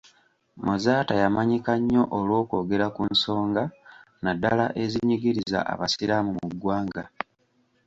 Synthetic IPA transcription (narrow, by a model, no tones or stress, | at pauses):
mozaːtajamaɲikaɲːo̞ʔolwo̞ːko̞ːɡe̞ɾakunso̞ːŋɡa | nadalaʔe̞ziɲiɡiɾiza̰ʔa̰βasiɾamumuɡwaːŋɡa